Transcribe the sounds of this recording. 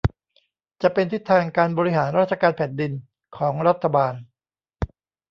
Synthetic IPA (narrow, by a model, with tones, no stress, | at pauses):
t͡ɕa˨˩ʔpe˧nt̪ʰi˦˥t̪ʰːaː˧ŋkaː˧nbɔː˧ɾi˦˥ɦaː˩˦nɾaː˥˩t̪̚t͡ɕʰa˧kaː˧npʰɛː˨˩n̚di˧n | kʰɔː˩˦ŋɾa˦˥t̪ʰːa˧baː˧n